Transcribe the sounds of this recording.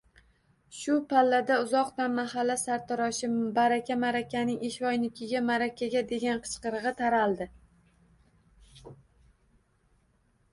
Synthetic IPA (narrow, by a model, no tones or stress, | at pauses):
ʃʊpʰalːad̪aʊzɒqd̪anmaɦalːasaɾt̪ʰɒɾɒʃɪbaɾakʲʰamaɾakʲʰanɪŋeʃvɒjnɪkʲʰɪɡʲamaɾakʲʰaɡʲad̪e̞ɡʲanqʰɨ̥t͡ʃqɨɾɨʁɨt̪ʰaɾalˠd̪ɪ